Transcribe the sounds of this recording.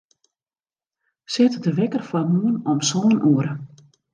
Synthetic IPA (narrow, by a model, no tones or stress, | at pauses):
sɪtədəʋɛkərfwamuənɔmsoːnʔuəɾə